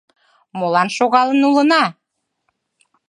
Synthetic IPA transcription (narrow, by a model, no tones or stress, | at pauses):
molɑnʃoɣɑlənulənɑ